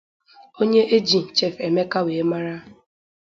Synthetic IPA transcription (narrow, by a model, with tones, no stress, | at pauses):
o˦ɲe˦ʔe˦d͡ʒi˨n̩˨t͡ʃe˦˨fe˨me˦ka˦weː˨˦ma˦ɾa˦